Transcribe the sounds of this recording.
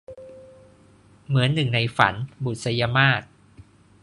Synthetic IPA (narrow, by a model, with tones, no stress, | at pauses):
mɯ˩˦ənːɯ˨˩ŋna˧jfa̰˩˦nbu˨˩t̪̚sa˧ja˧maː˥˩t̪̚